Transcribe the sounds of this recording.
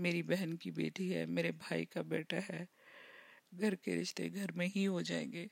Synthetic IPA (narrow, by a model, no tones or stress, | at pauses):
meːɾibɛɦənkibḛːʈiɦɛ̰meːɾebʱaːikabeːʈʰaɦɛː | ɡʱɐɾkḛɾɪʃt̪ḛɡʱɐɾmẽɦiɦod͡ʒaːḛ̃ːŋɡeː